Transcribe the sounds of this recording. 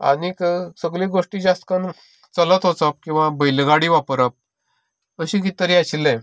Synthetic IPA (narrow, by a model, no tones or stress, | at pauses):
a̰niksəɡliɡoʂʈid͡ʑast̪kan | t͡sələt̪ɦot͡sap̚kĩw̃ʋabəilɡaɽiʋapɾəp̚ | əɕĩkit̪əɾiaɕilẽ